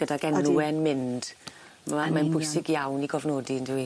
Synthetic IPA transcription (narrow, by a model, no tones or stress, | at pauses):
ɡ̥ədaɡɛnːuɛnmɪnd̥ | mamanbʊɨsɪɡjawniɡɔvnoːdindɪwi